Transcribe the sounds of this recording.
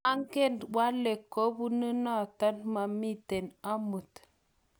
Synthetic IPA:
a˦ŋke˦˨ndwa˦le˨kːo˦bu˦nə˦na˦˨ta˦nma˨mi˦te˨na˦mu˨t

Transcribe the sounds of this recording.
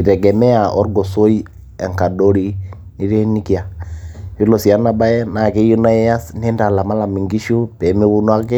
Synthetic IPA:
i˨tɛ˨ɡɛ˨mɛ˦a˨ʔɔ˦ɾɡɔ˨so˦i˦ | ɛ̰˨ŋka˨do˦ɾi˦ | ni˦ɾɛ˦ni˦ki˦ja˨ji˦lo˨si˨ja˦na˨ba˦jɛ˦na˨ke˦ju˦na˦ɛ˦ja˦sni˦nda˨la˨ma˦la˨mi˨ŋɡi˦ʃu˦pɛ˨mi˦βu˦nu˦a˦ke˦

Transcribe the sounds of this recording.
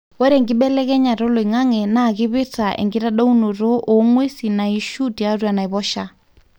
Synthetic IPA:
wɛ˦ɾɛ˨ŋɡi˦ɓɛlɛ˦kɛ˦ɲa˨ɾɔ˦lɔ˨i˨ŋa˦ŋɛ˨na˨ki˦βi˦tʰaʔɛ̰˨ŋɡi˦ɾa˦ɗa˦u˦nu˨rɔ˦ʔo˨˦ŋwe˦si˨na˨i˦ʃu˦tʼi˨a˦rwa˨na˨i˨βɔʃa˦

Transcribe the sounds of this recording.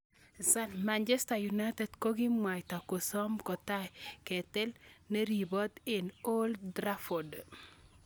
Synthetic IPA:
sa˦nma˨nd͡ʒɛ˦sta˨ju˨na˦te˨dko˦ɡi˦mwa˨jta˨ko˨sɔ˦mkɔ˨ta˦jkɛ˨t̪ɛ˦lne˦ɾi˨bɔ˦d̪ɪ˨no˦ldɾa˦fo˨d

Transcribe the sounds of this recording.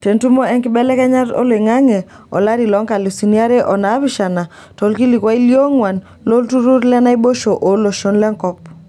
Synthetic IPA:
te˨ntu˦mo˦ɛ˦ŋkɪ˦bɛ˦lɛ˦kɛ˦ɲa˦to̰˦le˨ŋa˦ŋe˨ | ɔ̰˨la˦ɾi˨lɔ˨˦ŋka˨lu˨si˨ni˦a˦ɾe˦ʔɔ˨na˨˦βɪ˦ʃa˨na˨ | to˨˦lki˦li˨kwa˦i˦ljo˦ŋwa˨n | lo˦ltu˦ɾu˦ɾlɛ˦na˦ibo˦ʃo˨ʔo˨lo˨ʃo˨˦nlɛ˦ŋkɔ˦p̚

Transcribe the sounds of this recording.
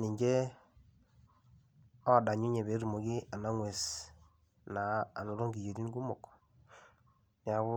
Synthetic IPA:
ni˨ɲd͡ʒe˦ | ɔ˦˨da˨ɲu˦ɲe˨βe˨˦ɾu˨mo˨ɡi˦a˨na˦ŋwe˨s | naː˨no˨ɾo˦ŋɡi˨jo˨ɾi˦n˦ɡu˦mo˨k | nja˦ɣʊ˦

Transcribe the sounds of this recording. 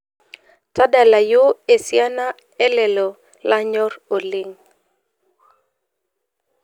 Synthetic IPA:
ta˦da˨la˨jo˦e˨sja˦na˦ | ɛ˦lɛ˨lɔ˨ | la˦ɲɔ˦ro˨lɪ˨ŋ

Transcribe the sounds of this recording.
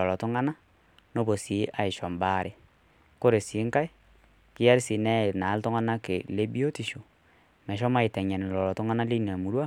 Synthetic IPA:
ɔ˨lɔ˨to˦ŋa˦na˦ | no˦bo˨si˨˦ʔa˨ɪ˨ʃɔ˨mba˦˨ɾʔe˨ | ko˦ɾe˨si˨˦ŋka˦i˦ | kɪ˦ja˦ɾsi˨nɛ˦˨na˨˦ltɔ˦ŋa˦na˦ke˨le˦bi˦o˦ti˨ʃo˨ | mɛ˨ʃ̬ɔ˦ma˦i˨tɛ˨ɲa˨ni˨lɔ˨lɔ˨to˦ŋa˦na˦le˦n˨a˨mu˨ɾwa˦˨

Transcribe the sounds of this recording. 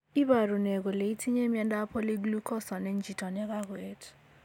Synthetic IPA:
i˦βa˨ɾu˨ne˨k̬ɔ˨le˨i˦tʰi˦ɲe˦mi˦ɛ˦nda˦pʰɔ˦le˦ɡlu˦kʰɔ˦sa˨nɛ˦nd͡ʒʱi˨tʼɔ˨nɛ˦k̬a˦ke˦tʰ

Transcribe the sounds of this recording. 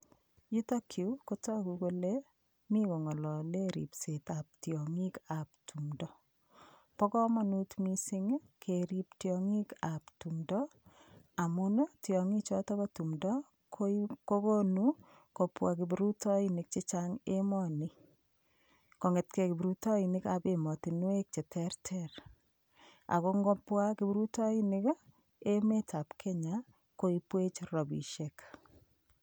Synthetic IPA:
ju˦to˦kʰju˦ko˦tɔ˦ku˨ko˦le | mi˦ko˨ŋɔ˨lɔ˨le˦ɾḭ˨pse˨ta˨p̚tjɔ˨ŋi˦ka˨p̚tʰumdɔ˦ | pɔ˦kɔ˦ma˦nu˦tmi˦sɪ˦ŋkʰe˨ɾi˨ptjɔŋi˦ka˨ptu˨mdɔ˦ | a˨mʊ˦no˦tjɔ˨ŋi˦t͡ʃɔtɔ˦kɔtu˨mdɔ˦ | kko˦ko˦nu | ko˨pwa˨k̬ɪ˨bɾu˦tɔ˦inɪ˨k̚t͡ʃɪ˦t͡ʃa˦ŋe˦mɔ˦ni˦ | ko˨ŋɛ˨tke˨kɪ˨bɾu˦tɔ˦i˨nɪka˨be˨mɔ˨ti˨nwe˦k̚t͡ʃɛ˨tʰɛrtʰɛɾ | a̰˨ko˦ŋɡɔ˦pwa˦kɪ˦bɾu˦tɔ˦i˦nɪ˦k | e˦me˦ta˨pkʰe˦ɲa | ko˦i˦pwe˦t͡ʃɾɔ˨bḭ˨ʃek

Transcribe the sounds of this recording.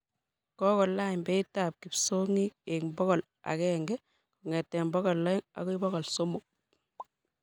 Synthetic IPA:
kɔ˦kɔ˨la˦mbɛitap̚ki˨psoŋik̚ekmbɔ˦kɔ˨l | a̰˨kɛŋɡɛ | kuŋɛ˨tːɛ˨mbɔ˦kɔ˨lːɔ˦i˦ŋa̰˨kɔ˦i˦bɔ˦kɔ˨lso˦mu˨k̚

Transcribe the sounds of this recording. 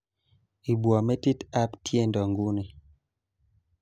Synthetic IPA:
i˨bwɔ˨mɛ˦ti˦ta˦ptje˦˨ndɔ˨ŋɡu˦ni˨

